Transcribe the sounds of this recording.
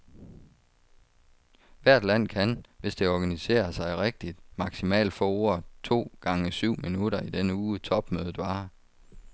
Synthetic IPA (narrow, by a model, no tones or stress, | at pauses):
ʋæɐ̰d̥læn̰kʰænʋe̝sd̥e̝ɒɡ̥ænise̝̰ːɐsɑ̈ɪʁeɡ̥̚d̥id̥mɑ̈ɡ̥simɛ̰ːld̥fɒ̰ːo̝ɐ̰t͡sʰo̝̰ːɡ̥ɑ̈ŋəsyʊ̰minuɾ̥ɐid̥enəuːt͡sʰɒ̽b̥møːð̩ˠʋɑ̈ː